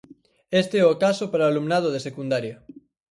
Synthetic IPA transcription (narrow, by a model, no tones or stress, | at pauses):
est̪eɛokasopaɾaːlumnað̞oðesekund̪aɾjɐ